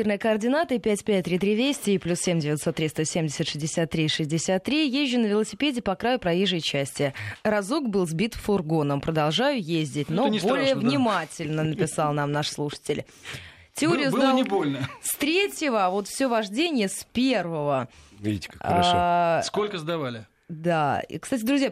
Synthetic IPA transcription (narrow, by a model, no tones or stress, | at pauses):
irnəjəkəɐrdʲɪnat̪ɨɪpʲætʲpʲæt̚ʲt̪ːɾʲit̪ɾʲivʲesʲtʲɪːplʲussʲemʲdʲɪvʲɪt̪so̞t̪ːɾʲist̪əsʲemʲdʲɪsʲɪt̪ʂɨzʲdʲɪsʲat̪ːɾʲiʂɨzʲdʲɪsʲat̪ːɾʲijeʑʲːʊnəvʲɪlˠəsʲɪpʲedʲɪpɐkɾajʊpɾɐjiʐəjt͡ɕæsʲtʲɪəɾɐzukbɨlˠzbʲit̪fʊrɡo̞nəmpɾəd̪ɐlˠʐajʊjezʲdʲɪtʲno̞nʲbo̞lʲɪjjəvnʲɪmatʲɪlʲnənəpʲɪsalˠnamnaʂslˠuʂə̥tʲɪlʲ | tʲɪoɾʲɪjʊzbɨnʲɪbolʲnəst̪ɾʲetʲjɪvəvo̞t̪fsʲovɐʐdʲenʲɪjəspʲervəvəvʲḭtʲaʂskolʲkəzd̪ɐvalʲɪ | d̪a̰kst̪atʲɪd̪ɾʊzʲja